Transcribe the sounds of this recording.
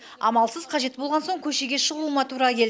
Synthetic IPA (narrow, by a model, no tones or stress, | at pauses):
ɑmɑlˠsəz̥qʰɑʒe̞t̪bo̞lˠʁɑnso̞ɴkʲʰɵʃe̞ɡʲe̞ʃəʁˠumɑt̪ʰuɾɑkʲʰe̞l